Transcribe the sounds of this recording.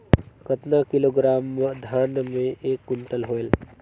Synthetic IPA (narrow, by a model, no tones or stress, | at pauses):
kət̪nakɪloːɡɾaːmd̪ʱjaːnmẽʔeːkːʊ̃ɳʈəlɦoːel